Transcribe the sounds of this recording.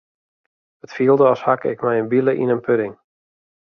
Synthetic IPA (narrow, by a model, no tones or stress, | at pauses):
ətfiəlˠdəɔshakɪ̰kmɛjənbiləʔḭnənpʰøɾɪŋ